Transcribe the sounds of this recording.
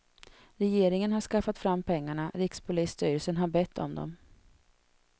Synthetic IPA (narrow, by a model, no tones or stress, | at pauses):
ɾɛjeːɾɪŋənhaʂkafat̪fɾamːpʰɛŋːaɳaɾɪkspʰʊlɪːst̪yːɾəlsənɦaɾbɛt̪ʰːɔ̰md̪ɔ̰m